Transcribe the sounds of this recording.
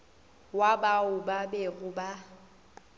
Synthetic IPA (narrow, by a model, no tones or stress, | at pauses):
wabaʊbabɛɣʊba